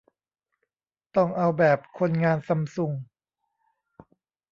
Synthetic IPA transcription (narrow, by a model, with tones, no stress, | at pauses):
t̪ɔ˥˩ŋʔa˧wbɛː˨˩p̚kʰo˧nŋaː˧nsa˧msu˧ŋ